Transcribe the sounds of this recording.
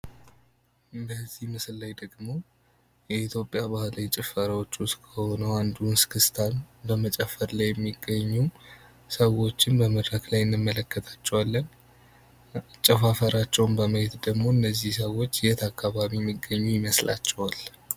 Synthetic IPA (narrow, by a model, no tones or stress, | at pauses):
ɨb̪əzːihmɨslːajd̪əɡmo̞ | jɛit̪ʰjo̞pʼjaβahlat͡ʃʼɪfəɾawot͡ʃːuskʰəho̞nəwand̪unskʰɨst̪ʰanbəmət͡ʃʼɛfːəɾlajːɛmːiɡːəɲːu | səwo̞t͡ʃːɪnbəmɨd̪ɾaklajɪnːɨmːələkːət̪ʰḁt͡ʃːɛwalːən | t͡ʃʼɛfafəɾat͡ʃːɛwmbəməhet̪d̪əɡmo̞ɨnːəzːihsəwo̞t͡ʃːɪjɛt̪ʰakːaβaβijɛmːiɡːəɲːujɪməslʔa̰t͡ʃːɛwal